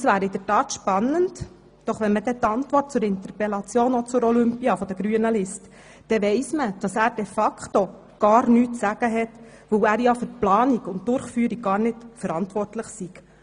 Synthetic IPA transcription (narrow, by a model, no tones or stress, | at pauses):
sʋæːɾɪd̥̪ətɑːt̪ʃpɑnːənt | d̥ɔχʋɛnməd̥̪ɛt̪ɑntʋɔrt̚t͡sʊɾɪnt̪ərpelɑt͡sjoːnɔt͡sʊɾɔlʏmpiɑfɔd̥̪əɡɾyənəlɪst | d̥ɛʋɛɪsməd̥ɑsæːɾd̥ɛfɑkχt̪o | ɡ̥ɑːɾnyːtsæɡ̥əɦɛt̪ | ʋɵwæːɾjɑfʏɾt̚plɑːniɡʊnt̚d̥ʊɾχfyːɾiɡ̚ɡ̥ɑːrnɪtfəɾɑntʋɔrtləχsiɡ̥